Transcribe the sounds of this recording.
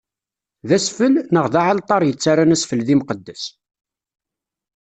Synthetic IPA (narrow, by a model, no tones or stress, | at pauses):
ðæsfəlnəʁðaʕalt̪ˤɑɾjət͡sːaɾanæsfəlðimqəd̪ːæs